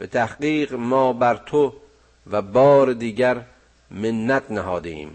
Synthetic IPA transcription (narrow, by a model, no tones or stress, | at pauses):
b̥et̪ʰæhɢiːɢmɒːbæɾt̪ʰo | væbɒːɾed̪iːɟæɾ | menːæt̪ʰnæɦɒːd̪eḭːm